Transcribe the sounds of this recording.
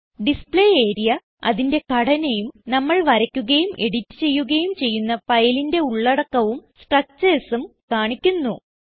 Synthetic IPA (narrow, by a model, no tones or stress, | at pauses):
ɖispɭeːe̞ːɾijɐ | ɐ̰ðinde̞kɐɽɐnɐjumnɐmːɐɭʋɐɾɐkʲːuɣɐjumʔe̞ɽitːɨ̥t͡ɕe̞jːuɣɐjumt͡ɕe̞jːunːɐfɐjlinde̞uɭːɐɽɐkːɐʋumsʈrɐk̚t͡ɕeːsumkaːɳikʲːunːu